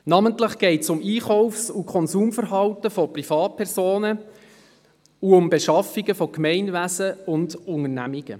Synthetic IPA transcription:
nɑməntləχɡ̥ɛɪtsʊmiːχɔʊfsukʰχɔnsuːmfəɾɦɑwtəfɔprifɑːt̚pʰɛɾzoːnə | uʊmbeʃɑfiɡəfɔkmɛɪnʋæsəʊndʊŋərnæ̰miɡ̥ə̰

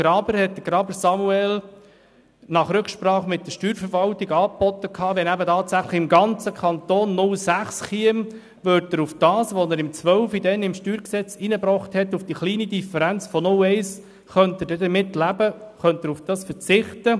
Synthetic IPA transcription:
ɡ̥ɾɑːbəɾhɛt̚d̥əɡ̥ɾɑːbəɾsɑmuɛl | nɑχɾɵkʃpɾɑːχmɪt̚dəʃtyːɾfəɾvɑltiɡɑːpɔt̪ːəkʰɑːʋɛnæbətɑːtsæχləχɪmɡɑnt͡səkʰɑnt̪oːnːʊlsæχsχiəm | ʋøɾt̚dəɾufd̥ɑːsʋɔnəɾɪmt͡sʋœʊfidɛnɪmʃtyːɾksɛt͡siːnəbɾɔχt̪hɛtːufd̥iχliːnid̪ifəɾænt͡sfɔnʊlɛɪs | χœnt̪ədɛdəmɪtlæbəχœnt̪əɾufd̥ɑːsfət͡sɪχtə

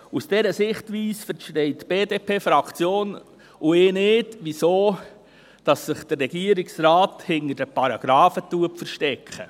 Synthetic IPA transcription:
usd̥ɛɾəsɪχtʋiːsfəɾʃtɛɪtb̥eːdepʰeːfɾɑkt͡sjoːn | ʔʊeːnɪːdʋisoː | d̥ɑsːɪχd̥ərːɛɡiəɾɪksɾɑːthɪnədəpɑɾɑɡ̥ɾɑːfətuəpfəɾʃtɛkχə̰

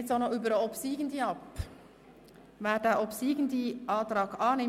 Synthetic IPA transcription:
tsonəyːbəɾəɔpsiːɡ̥əndiɑp | vɛːdɛɔpsiːɡən̩diʔɑːtɾɑːkɑːnɪ

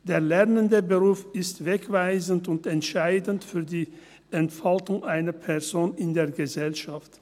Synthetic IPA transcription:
d̥eːɐlɛʁnəndəbəʁuːfɪstv̥ɛkv̥aɪzn̩tʊntɛntʃaɪdn̩tfyːɐdiː | ʔɛntfaltʊŋʔaɪnɐpʰɛɐzoːnɪndeːɐɡəzɛlʃaft

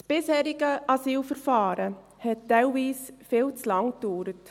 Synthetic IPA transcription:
tb̥ɪshɛːɾɪɡ̥əʔɑsiːlfəɾfɑːɾə | hɛtd̥ɛlviːsfɪːlt͡slɑŋkd̥uːɾət

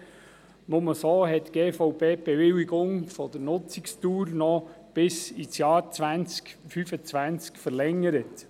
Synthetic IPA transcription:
nʊməsoːɦɛtːɡ̥eːfɔʊbeːb̥ɛʋɪliɡʊŋfɔd̥̪əɾnʊt͡sɪkstuːɾnɔ | b̥ɪsit͡sjɑːɾt͡sʋænt͡skfyfət͡sʋænt͡skfəɾlɛŋːəɾət

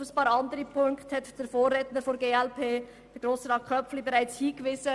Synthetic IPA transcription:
əspɑːɾɑndəɾipʰʊŋkthɛtd̥eːɾfoːɾɾeːtnəɾfɔɾɡeːɛlpʰeː | d̥ɛɡ̥ɾoːsəɾɑːkʰœflibɛʁaɪt͡shiːɡ̥vɪzə

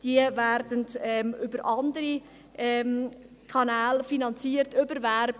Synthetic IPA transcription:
d̥iəvæɾdəntɛmʏbəɾʔɑndəɾi | ʔɛm | kʰɑnæːlfinɑnt͡siəɾtʏbəɾvæɾb

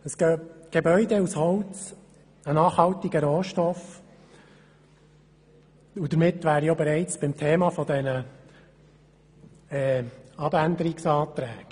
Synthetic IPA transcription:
əsɡ̥œːb̚ɡ̥ebœʏd̪ɛushɔwt͡s | ənɑːχhɑlt̪iɡəɾoːʃtɔf | ud̥̪əɾmɪt̪ʋæːɾiobɛɾɛɪt͡sb̥ɪmt̪ʰeːmɑfɔd̪ɛnə | ɛːɑbænd̪əɾiksɑːt̪ɾɛːɡ̥

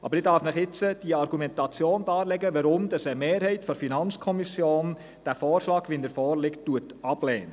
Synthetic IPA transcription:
ʔɑ̰b̥əɾɪdɑɾfnɪχɪt͡səd̥iəɑɾɡ̥umɛntɑt͡sjoːndɑːlɛɡəʋəɾʊmd̥ɑsəmeːɾhɛɪtfɔɾfinɑnt͡skʰɔmisjoːn | d̥æfɔːɾʃlɑːɡʋindəɾfɔːɾlɪkttːuət | ɑb̥lɛːnə

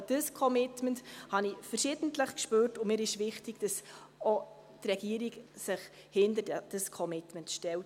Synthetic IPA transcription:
d̥əskʰɔmɪtmənthɑnifərʃɪd̥ən̩tləχkʃpøːrtʊmɪːɾɪʃvɪχtɪɡ̥d̥ɑs | ɔ | trɛɡ̥iəɾiɡsɪχ | hɪndədd̥əskʰɔmɪtməntʃtɛlt

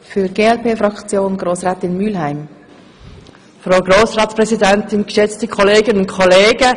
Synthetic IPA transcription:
fyːɡeːɛlpeːfɾɑkt͡sjoːnɡʁoːsʁaːtɪnmylɦaɪm | fʁaʊɡroːsʁɑːtspʁɛzidɛntɪnɡ̥əʃɛt͡stəkʰɔleːɡənʊntkʰɔleːɡə

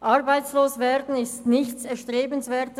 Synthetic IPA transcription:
ʔɑʁbaɪsloːsveːʁdn̩ɪstnɪçsɛɐʃtʁeːbənsveːɐtə

